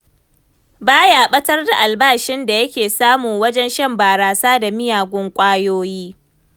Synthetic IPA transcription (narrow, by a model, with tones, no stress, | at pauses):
baː˦jaː˨ɓɐ˦tɐ˦rda˨ʔa˨lbaː˦˨ʃɪ˦nda˨jɐ˦kʲeː˨saː˦mʊ˨ŋwɐ˦d͡ʒɛ˦nʃɐ˦mbaː˨ɾaː˨saː˦da˨mɪ˦jaː˨ɡʷʊ˦ŋkʷʼaː˦joː˦jiː˦